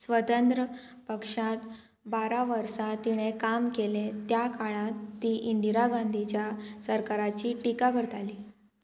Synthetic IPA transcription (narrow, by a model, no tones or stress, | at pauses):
sʋət̪ənt̪ɾəpəkʂãt̪ | baɾaʋəɾsat̪iɽ̃ekamkelẽt̪jakaɭ̃ãt̪ːiːʔind̪iɾaɡãnd̪ʱit͡ɕjasəɾkaɾat͡ɕiːʈikakəɾt̪aliː